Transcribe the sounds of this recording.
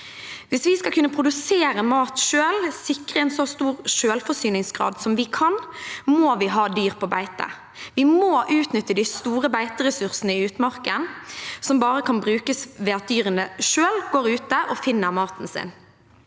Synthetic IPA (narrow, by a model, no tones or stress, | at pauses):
ʋɪsʋɪskɑlkʰʉnːəpʰʁʊd̪ʉseːɾəmɑːt̪ʃøːlsɪkʁəɛnsɔst̪uːʁʃøːlfɔsyːnɪŋsɡʁɑ̰ːd̪sɔmʋɪkʰɑnmoːʋɪɦɑːd̪yːʁpʰɔːbæɪt̪ə̰ | ʋɪmoːʔʉːt̪nʏt̪ːəd̪ɪst̪uːʁəbæɪt̪əɾɛsʉʁsnəɪʉːt̪mɑʁkənsɔmbɑːʁəkʰɑnbɾʉːkəsʋɛːɑt̪̚d̪yːʁənəʃøːlɡoːʁʉːt̪əʔɔfɪnːəʁmɑːt̪nsɪ̰n